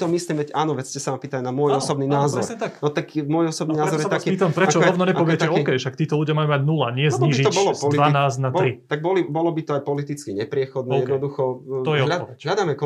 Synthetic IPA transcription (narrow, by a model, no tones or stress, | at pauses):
t̪ɔmisliːmʋɛcʔaːnɔʋɛscɛsaampiːt̪alnamʊɔjɔsɔbniːnaːzɔɾanɔt̪akmʊɔjɔsɔbninaːzɔɾjɛt̪akiiːt̪ampɾɛat͡ʃɔɾɔʋnɔɲɛpɔʋɪɛcɛɔɛkɛjʃakt̪iːt̪ɔluɟɪjamajumaɟnulaɲɪɛzzɲiːʒit̪ɔbɔlɔpɔlianaːznatbɔlɾit̪aɡ̚bɔlibɔlɔbit̪ɔajpɔlit̪it͡skiɲɛpɾɪɛxɔd̪nɛd̪nɔd̪uxɔɔjɛlʎaɛɦlad̪amɛk